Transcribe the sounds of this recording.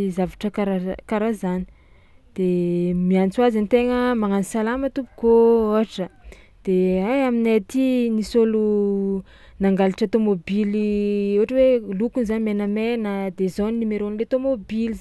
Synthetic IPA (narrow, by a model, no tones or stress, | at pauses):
izavaʈ͡ʂəkaɾakaɾazani̥ | d̪̥emiant͡suazanit̪eŋəmaŋanisalamət̪upu̥kooɦaʈ͡ʂə | d̪̥eajaminat̪inisolu | naŋɡaliʈ͡ʂət̪omobiliuaʈ͡ʂəwelukunzanimenəmenəd̪ezoninimeɾonilet̪omobilz